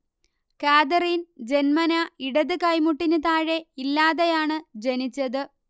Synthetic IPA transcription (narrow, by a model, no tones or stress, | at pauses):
kaːd̪ɐriːnd͡ʑe̞nmɐnɐiɽɐðɨkɐjmuʈːinɨt̪aːɻe̞ilːaːðejaːɳɨd͡ʑenit͡ɕːɐðɨ